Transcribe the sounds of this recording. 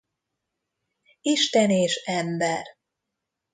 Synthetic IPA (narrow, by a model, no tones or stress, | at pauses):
iʃt̪ɛneːʃɛmbɛr